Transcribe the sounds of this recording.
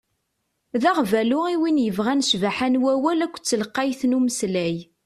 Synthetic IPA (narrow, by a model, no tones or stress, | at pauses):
ðæʁvælʊʁiwinjəvʁænʃvaħænwæwælækʷːt͡sːələqːɑjθnuməslæj